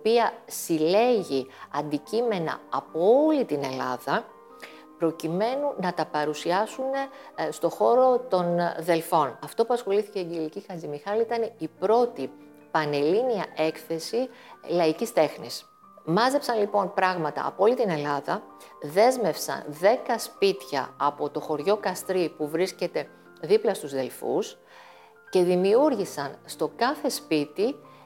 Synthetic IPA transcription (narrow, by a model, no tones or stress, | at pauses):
piɐsile̞ʝiɐnd̪icime̞nɐ̰ɐpoolit̪ine̞lɐðɐ | pɾo̞cime̞nunɐt̪ɐpɐɾusiɐsune̞st̪o̞xo̞ɾo̞t̪o̞nðe̞lfo̞nɐft̪o̞puɐsxo̞liθiceɟelicixɐzimixɐlit̪ɐneipɾo̞t̪i | pɐne̞liniɐʔe̞kθe̞silɐicist̪e̞xnis | mɐzepsɐnlipo̞npɾɐɣmɐt̪ɐ̰ːpoolit̪ine̞lɐðɐ | ðe̞zme̞fsɐ̰nðe̞kɐspit̪çɐ̰ɐpo̞t̪o̞xo̞ɾʝo̞kɐst̪ɾipuvɾisce̞t̪e̞ | ðiplɐst̪uzðe̞lfṵs | ce̞ðimiuɾʝisɐnst̪o̞kɐθe̞spit̪i